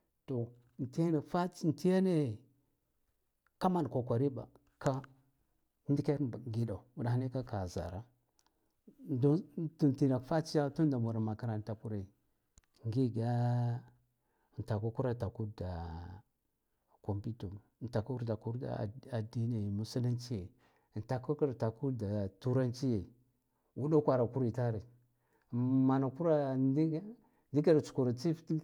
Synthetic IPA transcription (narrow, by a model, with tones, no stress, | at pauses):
to˨ | n˨ti˦ja˦na˨fa˦n˨ti˦ja˦ne˦ | ka˦ma˦n˨ko˨kʷa˨ɾi˦ba̰˨ | ka˦ | ndi˦ka˦ɾɡi˨da˨u˦da˨ha˦ne˦ka˦ka˨za̰˨ɾa˦ | dtu˨nti˨na˨kfa˦t͡ʃi˦ja˦tu˦nda˨mu˨ɾa˨ma˨ka˨ɾa˨n˨ta˨ku˦ɾe˨ | ŋɡi˦ɡa˦˨ | n˨ta˨ku˦ku˦ɾa˦˨ta˨ku˦da˨ | ko˨mpi˦tu˨m˨nta˨ku˦ɾda˨ku˦ɾda̰˨˦˨a˨di˦na˨mu˨si˦la˦nt͡ʃi˦je˨ | n˨ta˨ku˦ku˦ɾta˨ku˦da˨tu˦ɾa˦nt͡ʃi˦je˨ | wu˦da˦kʷa˨ɾa˨ku˦ɾi˨ta˦ɾi˨ | ma˨na˨ku˦ɾa˦ | ndi˦ka˦ɾt͡ʃu̥˨ku˨ɾa˨t͡si˦fti˦